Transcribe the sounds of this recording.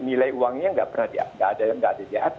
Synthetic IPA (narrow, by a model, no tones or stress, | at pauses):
nilajuwaŋɲaəŋɡa̰ʔpərnahdia̰ŋɡaʔadaŋɡaʔadadiaat̪